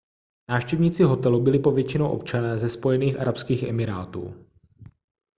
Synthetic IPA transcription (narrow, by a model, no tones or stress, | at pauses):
naːfʃcɛvɲiːt͡sɪɦo̞t̪ɛlubɪlɪpo̞vjɛt͡ʃɪnowʔo̞p̚t͡ʃanɛːzɛspo̞jɛniːxʔa̰ɾapskiːxʔɛmɪɾaːt̪ṵː